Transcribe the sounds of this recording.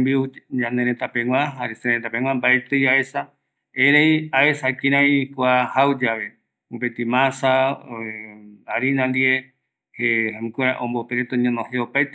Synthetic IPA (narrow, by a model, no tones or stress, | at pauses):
mbiud͡ʒaneɾet̪apẽŋʷwãɦaɾeseet̪apẽŋʷãmbaet̪ɨjaesa | eɾejaesakĩɾãĩkwahawd͡ʒaβe | opet̪ĩmãsa | aɾinãnd̪ie | hehamĩkeɾaʔõmbopeɾet̪oɲõnõheopajt̪e